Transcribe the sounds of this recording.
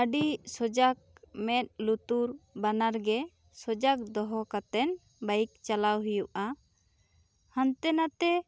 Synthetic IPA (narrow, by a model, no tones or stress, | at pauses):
əɖisɔd͡ʒak̚mɛt̪̚ˀlut̪uɾbanaɾɡɛ | sɔd͡ʒak̚d̪ɔɦɔkat̪ɛn | bajik̚t͡ʃalawɦujuʔa | hant̪ɛnat̪ɛ